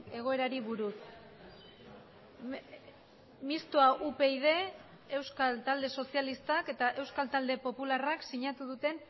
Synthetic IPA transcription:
e̞ɣ̞o̞e̞ɾaɾiβuɾus | mist̪oaʔupe̞iðe̞ | e̞wskalt̪ald̪e̞so̞sijalist̪ake̞t̪aʔe̞wskalt̪ald̪e̞po̞pularaksiɲat̪uð̞ut̪e̞n

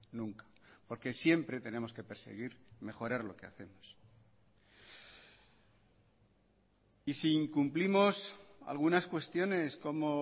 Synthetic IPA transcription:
nũŋkḁpo̞ɾke̞sje̞mpɾe̞t̪e̞ne̞mo̞ske̞pe̞ɾse̞̰ɣ̞iɾme̞xo̞ɾaɾlo̞kea̰θe̞mo̞s | isiːŋkumplimo̞sa̰lɣ̞unaskwe̞st̪jo̞ne̞sko̞mo̞

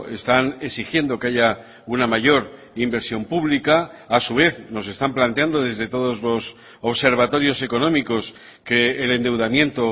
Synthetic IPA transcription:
e̞st̪aneksixje̞nd̪o̞ke̞aʝa | unamaʝo̞ɾ | imbe̞ɾsjo̞mpuβlikaːsuβe̞θno̞se̞st̪amplant̪eand̪o̞ðe̞zðe̞t̪o̞ð̞o̞zlo̞s | oβse̞ɾβ̞at̪o̞ɾjo̞se̞ko̞nõ̞miko̞s | ke̞ːle̞nd̪e̞wðamjẽ̞nt̪o̞

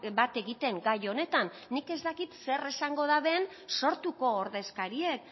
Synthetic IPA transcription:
bat̪e̞ɣit̪e̞ŋɡajo̞ne̞t̪anːike̞zt̪akit̪se̞resaŋɡo̞ðaβeːn | so̞ɾt̪uko̞ːɾðe̞skaɾie̞k̚

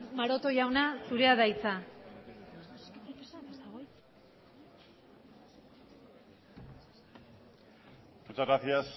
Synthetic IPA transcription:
maɾo̞t̪o̞ʝawnasuɾe̞aðajt͡sa | s | ut͡saɾaθias

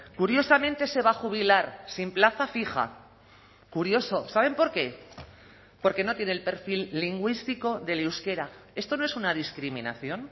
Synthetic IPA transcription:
kuɾjo̞samẽ̞nt̪e̞se̞β̞axuβ̞ilaɾsimplaθafiχa̰ | kuɾjo̞so̞saβ̞e̞mpo̞ɾke̞ | po̞ɾke̞no̞t̪je̞nelpe̞ɾfilːiŋɡwist̪iko̞ðe̞liwske̞ɾae̞st̪o̞noe̞sunað̞iskɾimĩna̰θjo̞n

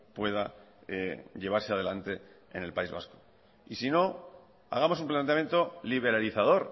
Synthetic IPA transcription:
pwe̞ð̞aeʎe̞β̞aɾseað̞e̞lant̪e̞ | ḛne̞lpaizβa̰sko̥ | isino̞ | a̰ɣ̞amosumplant̪eamjent̪o̞liβ̞e̞ɾaliθað̞o̞ɾ

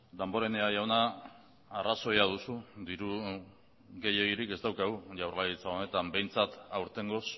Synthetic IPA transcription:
d̪ambo̞ɾe̞ne̞aʝawnaː | raso̞jað̞usud̪iɾu | ɣe̞je̞ɣiɾike̞zd̪awkaɣ̞uʝawɾlajit͡saone̞t̪ambe̞jnt͡sat̪awɾt̪e̞ŋɡo̞s

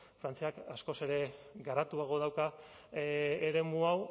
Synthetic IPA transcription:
fɾant͡siakasko̞se̞ɾe̞ɡaɾat̪uaɣ̞o̞ðawka | eɾe̞muaw

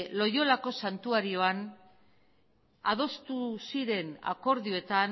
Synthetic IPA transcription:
lo̞jo̞lako̞sant̪uaɾio̞an | aðo̞st̪usiɾe̞na̰ko̞ɾðioe̞t̪an

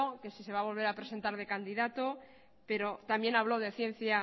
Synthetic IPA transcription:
oke̞sise̞β̞aβo̞lβe̞ɾapɾe̞se̞nt̪aɾð̞e̞kand̪iðat̪o | pe̞ɾo̞t̪amje̞naβ̞lo̞ð̞e̞θje̞n̟θja

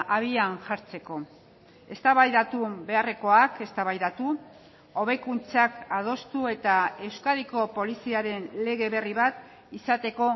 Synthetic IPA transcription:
ʔaβianʝaɾt͡se̞ko̞ | e̞st̪aβajðat̪ube̞are̞ko̞ake̞st̪aβajðat̪u | o̞β̞e̞kunt͡sakað̞o̞st̪ue̞t̪ae̞wskaðiko̞po̞lisiaɾe̞nle̞ɣe̞βe̞riβat̪ | isat̪e̞ko̞

